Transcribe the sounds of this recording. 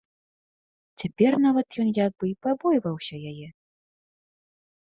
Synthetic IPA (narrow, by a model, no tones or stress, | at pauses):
t͡sʲapʲɛrnavɐt̪jɔnjaɡ̚bɨipabɔjvɐwsʲɐjajɛ